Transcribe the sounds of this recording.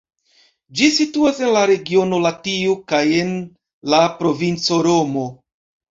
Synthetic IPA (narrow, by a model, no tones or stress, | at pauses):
d͡ʒisituase̞nlaɾe̞ɡio̞no̞latiokaje̞n | lapɾo̞vint͡so̞ɾo̞mo̞